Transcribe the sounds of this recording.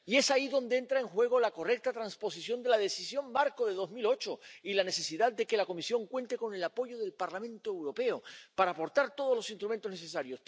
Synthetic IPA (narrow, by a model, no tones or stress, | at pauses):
ie̞saiðo̞nd̪eent̪ɾae̞ŋxwe̞ɣ̞o̞lako̞re̞k̚t̪at̪ɾanspo̞sisjo̞nd̪e̞lað̞e̞sisjo̞mbaɾkoðe̞ðo̞zmilo̞t͡ʃoilane̞se̞siðad̪d̪e̞ke̞lako̞misjo̞ŋkwẽ̞nt̪e̞ko̞ne̞lapo̞ʝo̞ðe̞lpaɾlamẽ̞nt̪oewɾo̞pe̞opaɾaːpo̞ɾt̪aɾt̪o̞ð̞ozlo̞sinst̪ɾument̪o̞zneses̬aɾjo̞s